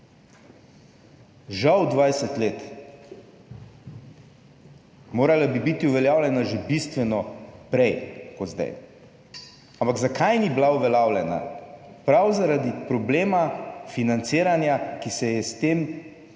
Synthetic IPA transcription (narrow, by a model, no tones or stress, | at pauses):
ʒawd̪ʋajsɛt̪leːt̪ | moːɾalabibit̪iuʋɛljaːwlʲjɛnaʒɛbist̪ʋɛnɔpɾɛjkɔd̪zd̪a̰j | ampaɡzakʰajniblauʋɛljawlʲɛna̰ | pɾawzaɾad̪ipɾɔbleːmafinant̪siːɾanjakisɛjɛst̪eːm